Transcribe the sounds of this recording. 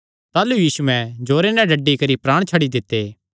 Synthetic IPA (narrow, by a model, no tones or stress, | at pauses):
t̪aːlujiːsuɛ̃d͡ʒoːɾenɛ̃ɖɐɖːikɐɾipɾaːɽ̃t͡ʃʰɐɽid̪ɪt̪ːeː